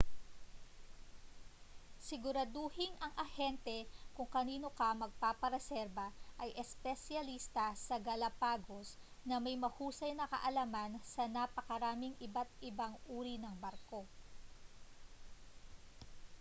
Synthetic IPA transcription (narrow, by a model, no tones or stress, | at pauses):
sɪɡʊɾɐd̪ohɪŋɐŋʔɐhɛnt̪ɛkʊŋkɐniːno̞kɐmɐɡ̚papɐɾɛsɛɾbɐʔɐjʔɛspɛsjɐlist̪ɐsɐɡɐlɐpaːɡos | nɐmɐjmɐhuːsɐjnɐkɐ̰ʔɐlamansɐnapɐkɐɾaːmɪŋɪbat̪̚ɪbaŋʔuːɾinɐŋbɐɾko̞